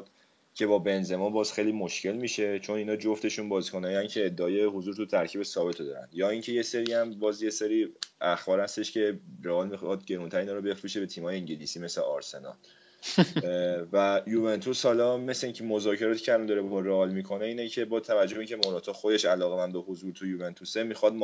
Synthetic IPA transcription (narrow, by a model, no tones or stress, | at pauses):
d̪̥ | cʰe̞bɒːbe̞nze̞mɔnbɒːz̥xejlimoʃcʰe̞lmiːʃe̞t͡ʃʰo̞niːnɒːd͡ʒoft̪e̞ʃunbɒːzkʰonɒjiæncʰe̞ːd̪ːeɒːje̞hozuɾt̪ʰut̪ʰæɾcʰiːbesɒːbe̞t̪ʰod̪ɒːɾæ̰nd̪jɒːiːŋcʰe̞je̞se̞ɾiæmbɒːzje̞seɾiːæxbɒːɾhæst̪e̞ʃce̞ɾeɒːlmixd̪̚ɟe̞ɾunt̪ʰæɾeiːnɒːɾobe̞fɾuʃebe̞t̪ʰiːmhɒːjeiɲɟelisiːme̞sleʔɒːɾse̞nɒ̰l | væjuve̞nt̪ʰushɒlɒme̞sleiːŋcʰemo̞zɒːcʰe̞ɾɒːt̪ʰi̥cʰeælɒnd̪ɒɾebɾeːlmiːkʰo̞ne̞iːnecʰe̞bɒːt̪ʰævæd͡ʒːoeincʰe̞moɾɒːt̪ʰɒːxod̪e̞ʃælɒːɣemænd̪oɦozuɾt̪ʰujuvent̪ʰusemixɒd̪m